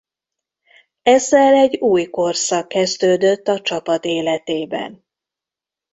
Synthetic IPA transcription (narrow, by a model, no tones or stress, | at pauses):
ɛzːɛlɛɟːuːjko̞rsɒkːɛzd̪øːd̪ø̞t̪ːɒt͡ʃɒpɒt̪eːlɛt̪eːbɛ̰n